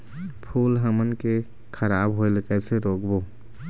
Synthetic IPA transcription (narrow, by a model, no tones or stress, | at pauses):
pʰuːlɦəmənke | kʰəɾaːbɦoɪlkɛseɾoːkbo